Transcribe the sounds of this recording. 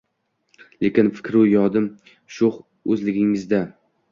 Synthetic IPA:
le̞kʲɪnfɪ̥kʲɾujɒd̪ɪm | ʃʊχ | ɵzlɪɡʲɪŋɪzd̪a

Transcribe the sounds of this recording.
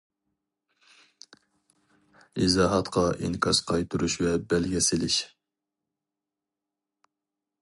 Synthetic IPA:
izɑːɦɑt̪qʰɑʔiŋkʰɑsqʰɑjt̪ʰuɾuʃvɛbɛlɡʲɛsɪlɪʃ

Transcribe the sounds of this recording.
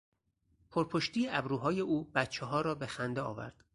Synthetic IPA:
pʰoɾpʰoʃt̪ʰijeʔæbɾuːɦɒːje̞ʔuːbæt̪t͡ʃʰeɦɒːɾɒːbe̞xænd̪eɒ̰ːvæ̰ɾd̪̥

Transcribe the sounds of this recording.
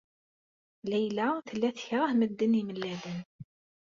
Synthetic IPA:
læjlæθəlːæθçɾˤəhməd̪ːəniməlːæðən

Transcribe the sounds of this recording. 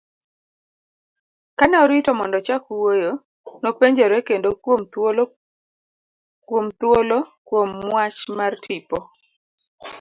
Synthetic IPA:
kanɛɔɾitɔmɔndɔt͡ʃakwojo | nopeɲd͡ʒoɾɛkendokomol | kwomt̪wolokwomːwat͡ʃmartʰipɔ

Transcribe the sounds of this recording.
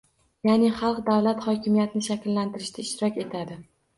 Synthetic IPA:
janɪχɑlˠqd̪awlat̪χɒkʲʰɪmijat̪ɪnɪʃakʲlːant̪ʰɪɾɪʃt̪aɪʃt̪ɪɾɒkʲe̞t̪ʰad̪ɪ

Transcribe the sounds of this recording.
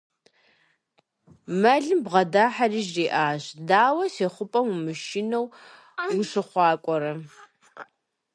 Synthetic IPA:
mɐɮɨmbʁɐdaːħariːʒriːʔaːɕdaːwɐseːχʷʊpʼɐmmɨʃinɐw | ɡʊʂɨχʷɑːkʷʼɔɾɐ

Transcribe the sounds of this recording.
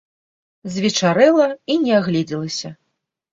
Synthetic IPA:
zʲvʲit͡ʂaɾɨlˠɐinʲɛaɣlʲid͡zʲilˠɐsʲɐ

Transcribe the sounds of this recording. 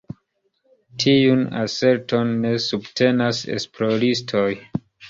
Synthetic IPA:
tʰiuna̰se̞ɾto̞nːe̞subtʰe̞nasḛsploɾistʰoj

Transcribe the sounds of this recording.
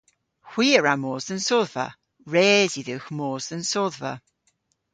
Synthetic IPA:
hw̥iːəɹamɔːzðənsɔːðva̰ | ɹɛːziðɪwxmoːzðənsɔːðvə̰

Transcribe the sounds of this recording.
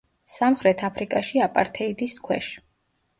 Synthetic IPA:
samχɾɛt̪ʰapʰɾikʼaʃiapʼa̰ɾt̪ʰɛid̪iskʰwɛ̰ʃ

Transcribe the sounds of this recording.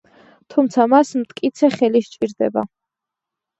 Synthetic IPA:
t̪ʰumt̪sʰamasmt̪ʼkʼit̪sʰɛχɛliʃt͡ʃʼiɾd̪ɛ̰ba̰

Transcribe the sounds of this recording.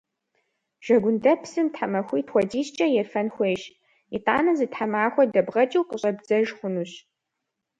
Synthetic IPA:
ʒ̥ɐɡʷʊndɐpʰsɨmtħamɐxʷiːtʰxʷɔdiːst͡ʃʼɐjɛrfɐnxʷeːʃ | itʼaːnɐzɨtħamaːxʷɔdɐbʁɐt͡ʃʼiwqʼəɕʼɐbd͡zɐʒχʷʊnuːɕ

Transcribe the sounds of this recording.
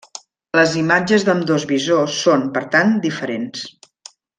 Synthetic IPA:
ləzimad͡ʒəzðəmd̪ozβizosːonpəɾt̪and̪ifəɾens

